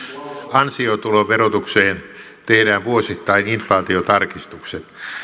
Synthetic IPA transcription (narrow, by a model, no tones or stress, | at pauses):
ɑnsiot̪uloʋerot̪ukseːn | t̪ehdæːʋʋuosit̪ːɑininflɑːt̪iot̪ɑrkist̪ukset̪